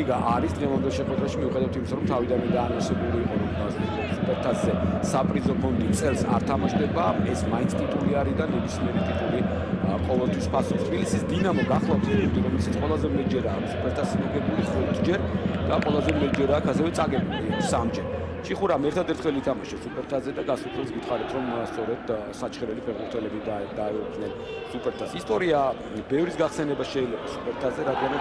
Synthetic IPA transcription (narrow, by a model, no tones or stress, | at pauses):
iɡaʔaɾisd̪ʁɛvand̪ɛlˠʃɛχwɛd̪ɾaʃimiuχɛd̪avat̪ʰimisaɾɔmt̪ʰavid̪anind̪aːnɔsɛbuliːqʼɔɾɔmbazist̪ɛbispʰɛɾt̪ʰaszɛsapʼɾizɔpʰɔnd̪it̪sʼɛlˠsa̰ɾt̪ʰamaʃd̪ɛbaɛsmaint̪sʰt̪ʼit̪ʼuliaɾid̪anɛbismiɛɾit̪ʼit̪ʼuli | qʼɔvɛlˠt̪ʰwispʰasɔt̪ʰbilisisd̪inamɔɡaχlˠaft̪ʰpʰɔnd̪iɾɔmɛlʃit̪sʰqʼwɛlˠazɛmɛt̪d͡ʒɛɾaːksupʰɛɾt̪ʰaszmɔɡɛbuliχɔɾt̪ʰd͡ʒɛɾd̪̥aqʼwɛlˠazɛmɛd͡ʒɛɾaːkʰasɛvɛt̪sʼaɡɛbulisamd͡ʒɛɾt͡ʃʼiχuɾamɛɾt̪ʰad̪ɛɾt̪ʰχɛlit̪ʰamaʃɛsupʼɛɾt̪ʰazɛd̪aɡasut̪ʰɛsɡit̪ʰχaɾɛt̪ʰɾɔmst̪sʼɔɾɛd̪̥ | sat͡ʃʰχɛɾɛlipʰɛʁmuɾt̪ʰɛlɛbid̪aɛukʰnɛn | supʼɛɾt̪ʰasist̪ʼɔɾia | bɛvɾisɡaχsɛnɛbaʃɛilɛbasupʼɛɾt̪ʰazɛɾad̪ɡana